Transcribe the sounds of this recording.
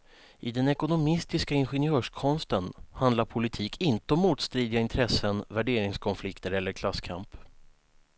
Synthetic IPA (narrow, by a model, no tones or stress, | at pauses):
ʔɪd̪ɛnɛkʊnʊmɪst̪ɪskaɪnɧɛnɪœːʂkʰɔnst̪ənhand̪laɾpʰʊlɪt̪ʰiːkʰɪnt̪əɔmːuːt̪st̪ɾiːd̪ɪɡaɪnt̪ʰɾɛsːənvæɖeːɾɪŋskʰɔnflɪkt̪əɾɛlːəɾkʰlaskʰa̰mp